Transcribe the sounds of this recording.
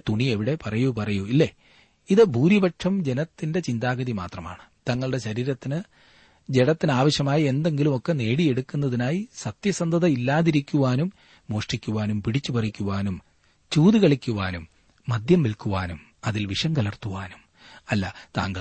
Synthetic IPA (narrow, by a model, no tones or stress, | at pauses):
t̪uɳie̞ʋiɽe̞pɐrɐjupɐrɐjuilːe | iðɨbʱuːɾibɐʈʂɐmd͡ʑe̞nɐt̪ːinde̞t͡ɕind̪aːɡɐðima̰ːt̪rɐma̰ːɳɨt̪ɐŋːɐɭɨɽe̞ɕɐɾiːɾɐt̪ːinɨ | d͡ʑeɽɐt̪ːinɨaːʋɐɕjɐmaːjie̞nd̪e̞ŋɡilumo̞kːene̞ːɽie̞ɽukːunːɐðinaːjisɐt̪jɐsɐnd̪ʱɐðɐilːaːðiɾikʲːuʋaːnumː | o̞ːʂʈikʲːuʋaːnumpiɽit͡ɕːupɐrikʲːuʋaːnum | t͡ɕuːðiɣɐɭikʲːuʋaːnumː | ɐd̪ʱjɐmʋilkːuʋaːnum | ɐðilʋiʂɐŋɡɐlɐrt̪ːuʋaːnum | ɐlːɐt̪a̰ːŋɡɐ